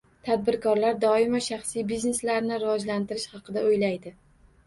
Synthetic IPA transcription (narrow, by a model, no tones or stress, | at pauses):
t̪ʰad̪̚bɪɾkʰɒɾlaɾd̪ɒɪmaʃɑχsijbizne̞slaɾnɪɾɪvɒd͡ʒlant̪ɪɾɪʃhɑqʰɨd̪aojlajd̪ɪ